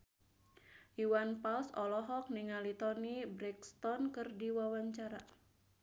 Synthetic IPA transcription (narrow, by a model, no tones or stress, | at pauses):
juwanpalsɔlɔɦɔk̚niŋalit̪ɔnibɾɛkst̪ɔnkɨrdiwawaɲt͡ʃaɾa